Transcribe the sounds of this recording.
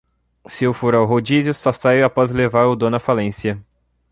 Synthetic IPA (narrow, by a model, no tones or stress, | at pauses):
sɪewfoɾawɦod͡ʒizjʊsast̪ajapɔzlevaɾʊd̪õnɐfalẽsiɐ